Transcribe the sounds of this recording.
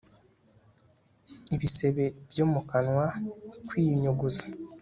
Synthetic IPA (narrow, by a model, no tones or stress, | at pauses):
iβise̞βe̞bjoːmukanwakwiːɲoɡuzo̥